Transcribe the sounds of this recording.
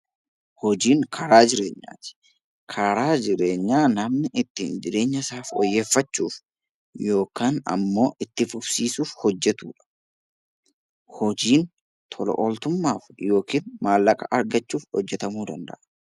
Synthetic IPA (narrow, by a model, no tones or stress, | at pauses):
hɔd͡ʒiːŋkʰɐɾaːd͡ʒɪɾe̞ːɲːa̰ːt̪ɪ̥ | kʰɐɾaːd͡ʒɪɾe̞ːɲːaːnɐmnɪʔɪt̪ːḭːnd͡ʒɪɾe̞ːɲːɐsaːfɔ̰jːe̞ːfːɐt͡ʃːuːf | jo̞ːkaːnɐ̰mːo̞ːʔɪt̪ːɪfʊbsiːsuːfhɔd͡ʒːɛt̪uːᶑɐ̥ | hɔd͡ʒiːn | t̪ʰɔlɔ̰ʔɔlt̪ʊmːaːfjo̞ːkiːnmaːlːɐkʼɐʔɐɾɡɐt͡ʃːuːfhɔ̰d͡ʒːɛt̪ɐmuːd̪ɐnd̪ɐ̰ʔɐ̥